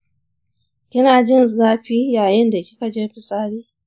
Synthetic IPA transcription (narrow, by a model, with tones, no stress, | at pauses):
kʲɪ˦naː˨d͡ʒɪ˦nzaː˦ɸiː˦jaː˨jɪ˦nda˨kʲɪ̥˦ka˨d͡ʒeː˦ɸɪ˨sʼaː˦ɽiː˦